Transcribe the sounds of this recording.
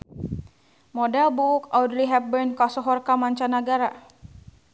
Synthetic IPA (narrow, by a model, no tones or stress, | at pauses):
mɔdɛlbukawdliɦɛp̚bənkasɔɦɔrkamaɲt͡ʃanaɡaɾa